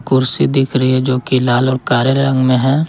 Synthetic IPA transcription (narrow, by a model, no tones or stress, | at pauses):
kʊɾsid̪ɪkʰɾɐɦiɦɛd͡ʒoːkilaːlɔːɾkaːɾjəlɾə̃ŋɡmẽɦɛ̃ː